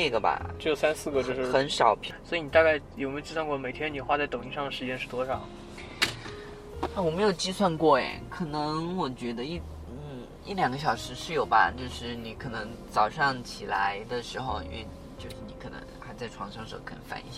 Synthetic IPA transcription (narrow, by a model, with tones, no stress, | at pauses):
e˥˩ɡə˩ba̰˩t͡ɕo˥˩jo˨˩ʊsa˥nsɹ̩˥˩ɡə˩t͡ɕjo˥˧ʊʂɻ̩˥˧˩xə˧˥nʂɑ˨˩ʊpʰi˧˥swɔ˧˥i˧ni˨˩t̪a˥˧ka˥˩ɪjme˧˥˨t͡ɕi˥swa˥˧ŋkwɔ˥˩me˨˩ɪt̪ʰjɛ˥ni˨˩xwa˥˧t͡sa˥˩ɪt̪ʊ˨˩ŋi˧˥ʂɑ˥˩ŋd̪ə˩ʂɻ̩˧˥t͡ɕjɛ˥nʂɻ̩˥˩t̪wɔ˥ʂɑ˨˩ʊ˥˩ | wɔ˨˩me˧˥ɪjo˨˩ʊt͡ɕi˥swa˥˧nkwɔ˥˩ɛ̰˨˩kʰɤ˨˩nɤ˧˥ŋwɔ˨˩t͡ɕɥɛ˧˥d̪ə˧i˥˩ | n̩˥˩ | i˥˩ljɑ˨˩ŋɡə˦ɕjɑ˨˩ʊʂɻ̩˧˥ʂɻ̩˥˩jo˨˩ʊba̰˧t͡ɕjo˥˧ʊʂɻ̩˥˩ni˧˥kʰɤ˨˩nɤ˧˥ŋt͡sɑ˨˩ʊʂɑ˥˩ŋt͡ɕʰi˨˩la̰˧˥ɪd̪ə˧ʂɻ̩˧˥xo˧ʊḭ˧˥nwḛ˥˧ɪ | t͡ɕjo˥˧ʊʂɻ̩˥˩ni˧˥kʰɤ˨˩nɤ̰˧˥ŋxa˧˥ɪt͡sa˥˩ɪʈ͡ʂʰwɑ˧˥ŋʂɑ˥ŋʂɤ̰˧˥k̪ʰfa̰˧˥nḭ˥˩˧